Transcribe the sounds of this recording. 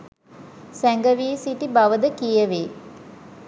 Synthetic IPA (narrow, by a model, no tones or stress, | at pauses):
sæŋɡəʋiːsiʈibaʋəd̪əkijəʋeː